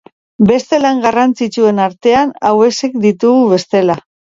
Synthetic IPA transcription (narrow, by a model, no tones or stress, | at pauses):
be̞st̪e̞laŋɡarant͡sit͡ʃue̞naɾt̪e̞anawe̞se̞kd̪it̪uɣuβe̞st̪e̞la